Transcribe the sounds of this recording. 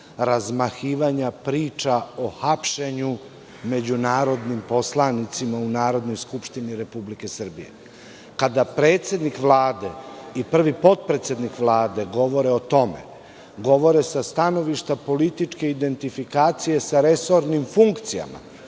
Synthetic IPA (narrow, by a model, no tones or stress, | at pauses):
ɾazmaxiːʋaɲapɾiːt͡ʃao̞xapʃe̞ɲu | me̞d͡ʑunaːɾo̞d̪nimpo̞slˠanit̪simaunaːɾo̞d̪no̞jskupʃt̪iniɾe̞publike̞sr̩bije̞̰ | kad̪apɾeːt̪sje̞d̪nikʋlˠaːd̪e̞ipr̩ʋipo̞t̪̚pɾet̪sʲe̞d̪nikʋlˠaːd̪eɡo̞ʋo̞ɾeot̪o̞mḛ | ɡo̞ʋo̞ɾesast̪ano̞ʋiʃt̪apo̞lit̪it͡ʃke̞id̪e̞nt̪ifikaːt̪sije̞saɾe̞so̞ɾnimfuŋkt̪sija̰ma̰